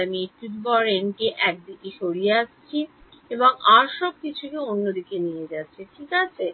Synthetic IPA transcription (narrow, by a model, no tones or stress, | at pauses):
mit̪ːut̪bɔɾenkeʔɛk̚d̪ikeʃoɾieast͡ɕʰieboŋaɾʃɔb̚kit͡ɕʰukeonːod̪ikenijed͡ʑatːɕʰeʈʰikat͡ɕʰe